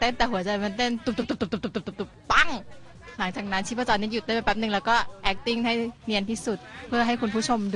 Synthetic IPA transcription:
t̪eː˥˩nt̪ɛː˨˩ɦu˩˦ɐt͡ɕa˧jma˧nt̪e˥˩nt̪u˨˩p̚t̪̚u˨˩t̪u˨˩t̪u˨˩t̪ːp̪̚ːt̪̚ːt̪u˨˩pa˥˩ŋ | la˩˦ŋt͡ɕaː˨˩k̚na˦˥nt͡ɕʰi˦˥waː˥˩t͡ɕɔː˧ni˦˥ju˨˩t̪e˥˩m˧˩pɛ˦˥nɯ˨˩ŋlɛː˦˥wkɔː˥˩ʔɛ˦˥k̚t̪i˥˩ŋɦa˥˩jni˧ənt̪ʰiː˥˩su˨˩t̪̚pʰɯ˥˩ɐɦa˥˩jkʰu˧npʰuː˥˩t͡ɕʰo˧md

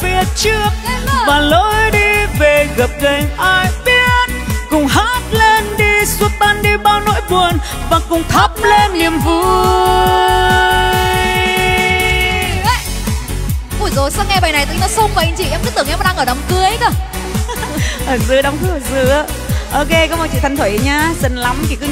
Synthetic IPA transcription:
ɓi˦˧˩ət̚t͡ɕɨ˦˥ək̚vaː˨˩lo˧˥jɗi˧ve˨˩ɣə˨˩p̚ɣə˨˩jŋʔaː˧jɓi˦˧˥ət̚kʊ˨˩ŋ͡mɦaː˦˥t̚le˧nɗi˧su˧˩ət̚t̪a˧nɗi˧ɓaː˧wno̰˧˥jɓu˨˩ən | vaː˨˩kʊ˨˩ŋ͡mt̪ʰə˦˥p̚le˧nli˨˩əmvu˨˧˦ | vu˧˩jzo˨˩jsaː˧˥ŋɛ˧vaː˨˩jna˨˩jt̪ɨ˧˩nɔ˨˦sə˧wŋ͡mvaː˨˩ʔŋt͡ɕḭ˧˨ʔɛ˧mt̪ːt̪əŋʔɛ˧ma˨˩ɗaː˧ʔəː˧˩ɗɔ˨˩wŋ͡mkɨ˨˧˦əə˦jkaː˧˩ | ʔəː˨˩zɨ˨˧˦əɗa˨˩wŋ͡mkɨ˨˧˦əː˨˩zɨ˧˩˦ | ʔo˧ke˧kɔ˨˦mɔ˨˩t͡ɕḭ˧˨t̪ʰjŋt̪ʰwə˧˩˨ɲaː˧sə˧˩nla˨˦mki˧˩kɨ˧˦

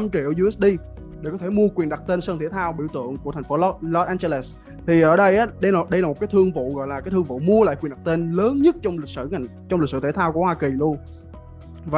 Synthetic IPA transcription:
a˧mt͡ɕḭ˧˨əwzu˧ɛ˦˥sɗi˧ | ɗe˧˩kɔ˨˦t̪ʰe˧˩mu˧əkwi˨˩ənɗa˨˩k̚t̪e˧nsəː˧nt̪ʰḭ˧˩t̪ʰaː˧wɓḭ˧˩əwt̪ɨ̰˧˨əŋku˧˩ət̪ʰŋ̟fo˨˦˥lɔ˧˦sʔɛ˧nze˧lɛ˨˧˩s | t̪ʰi˨˩ʔəː˧˩ɗə˧jʔaː˨˦˥ɗə˧jlaː˨˩t̚ɗə˧jlːmo˨˩t̚kːaː˨˦t̪ɨ˧əŋvṵ˧˨ɣɔ̰˧˨jlaː˨˩kaː˨˦t̪ɨ˧əŋvṵ˧˨mu˧əla̰ː˧˨jkwi˨˩nɗa˨˩k̚t̪e˧nləː˨˦nɲə˦˥t̚t͡ɕɔ˧wŋ͡mlï˨˩k̚sɨ̰˧˨ŋa˨˩ŋ | t͡ɕɔ˧wŋ͡mli˨˩k̚sɨ̰˧˩t̪e˧˩t̪ʰaː˧wku˧˩hwaː˧ki˨˩lu˧ən | vaː˨˩

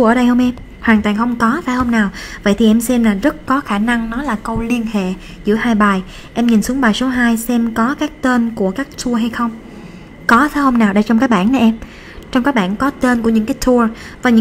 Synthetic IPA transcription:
u˧ʔəː˧˩ɗə˧jhə˧wŋ͡mʔɛ˧m | hwaː˨˩ŋt̪aː˨˩ŋhə˧wŋ͡mkɔ˨˦t̪aː˧˦jho˧ŋ͡mnaː˨˩wvə̰˧˨jt̪ʰi˨˩ʔɛ˧msɛ˧mlaː˨˩zə˦˥t̚kɔ˨˦xaː˧˩na˧ŋnɔ˨˦laː˨˩kə˧wli˧ənhḛ˧˨ | zɨ̰˧˥əhaː˧jɓaː˨˩j | ʔɛ˧mɲi˨˩nsu˨˦əŋɓaː˨˩jso˨˦ɦaː˧jsɛ˧mkɔ˨˦kaː˦˥k̚t̪e˧nku˧˩əkaː˦˥k̚t̪ʰu˧əɦa˧jxə˧wŋ͡m | kɔ˨˦t̪ʰaː˨˦jho˧wŋ͡mnaː˨˩wɗa̰˧˩jt͡ɕɔ˧wŋ͡mkaː˦˥k̚ɓa̰ː˧˩˨nːa˨˩ʔɛ˧m | t͡ɕɔ˧wŋ͡mkaː˦˥k̚ɓa̰ː˧˨nkɔ˨˦t̪e˧nku˧˩əɲɨ̰˧˥ŋkaː˨˦jt̪ʰu˧ə | vaː˨˩ɲɨ̰˧˥

